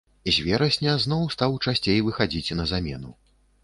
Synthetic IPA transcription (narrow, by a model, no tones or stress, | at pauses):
izʲvʲɛɾɐsʲnʲɐznɔwst̪awt͡ʂasʲt͡sʲejvɨxad͡zʲit͡sʲnɐzamʲɛ̰nṵ